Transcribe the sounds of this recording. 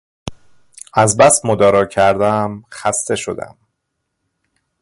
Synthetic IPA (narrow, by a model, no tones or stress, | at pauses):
æzbæst̪mod̪ɒːɾɒːcʰæɾd̪æmxæst̪e̞ʃo̞̰d̪æ̰m